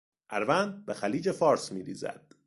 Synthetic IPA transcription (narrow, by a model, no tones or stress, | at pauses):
ʔæɾvænd̪̚bexæliːd͡ʒe̞fɒːɾsmiːɾḭːzæ̰d̪̥